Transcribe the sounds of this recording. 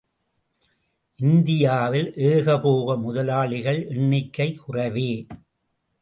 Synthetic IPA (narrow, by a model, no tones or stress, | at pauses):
ʔɪnd̪ɪjaːʋɪlʔeːɣɐpoːɣɐmʊðɐlaːɭɪɣɐɭʔɛɳːɪkːɐɪkʊrɐʋeː